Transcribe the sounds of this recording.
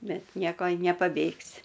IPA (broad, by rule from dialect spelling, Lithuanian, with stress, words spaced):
ˈbʲɛt ˈnʲiɛkoː ɪ nʲɛpɐˈbʲeːksʲɪ